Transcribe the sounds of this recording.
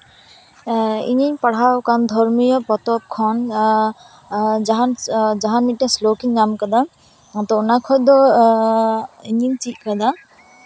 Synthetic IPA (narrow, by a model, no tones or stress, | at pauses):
ḭɲinpaɽ̤awkand̪ʱɔɹmijɔpɔt̪ɔp̚kʰɔn | d͡ʒaɦanzaɦanːiaslokiŋːamkad̪a | ɔt̪ɔunakʰɔjd̪ɔ | iɲint͡ʃiʔ̚kad̪a